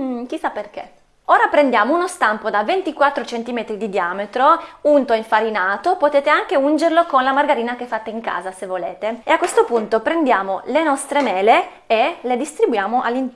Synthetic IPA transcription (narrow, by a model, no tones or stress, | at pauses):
k̟isːapːerkḛ | oːɾapɾend̪jaːmounost̪ampod̪avent̪ikwat̪ːɾot͡ʃent̪imet̪ɾid̪id̪iaːmet̪ɾount̪oiɱfaɾinaːt̪opot̪eːt̪eaŋk̟eund͡ʒerlokonlamarɡaɾiːnak̟efːat̪ːeiŋka̰ːzasevːolḛːt̪eeakwest̪opunt̪opɾend̪jaːmolenɔst̪ɾemɛːle | eled̪ist̪ɾibujaːmoʔa̰lːin